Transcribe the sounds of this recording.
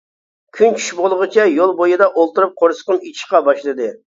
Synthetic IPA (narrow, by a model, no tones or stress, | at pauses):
kʲʰynt͡ʃʰy̥ʃbolˠʊʁɨt͡ʃʰɛjolˠbojɨd̪ɑʔolˠt̪ɨɾɨp̚qʰoɾsə̥qəmit͡ʃʰi̥ʃqɑbɑʃlˠɨd̪ɨ